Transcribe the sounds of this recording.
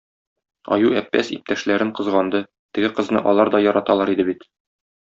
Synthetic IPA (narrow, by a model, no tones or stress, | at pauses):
ɒ̰juæpːæ̰sḭp̚t̪æʃlæɾɘɴqɤ̆zʁɑnd̪ɤ | t̪ɘ̆ɡɘqɤ̆znɤ̰ʔɒlˠɑɾd̪ɒjɒɾɑt̪ɑlˠɑɾid̪ɘbit̪